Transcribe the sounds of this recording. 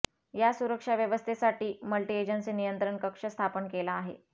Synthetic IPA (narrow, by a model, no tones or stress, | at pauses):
jasuɾəkʂaʋjəʋəst̪ʰesaʈiːməlʈied͡ʑənsiːnijənt̪ɾəɳkəkʂəst̪ʰapənkelaːɦḛ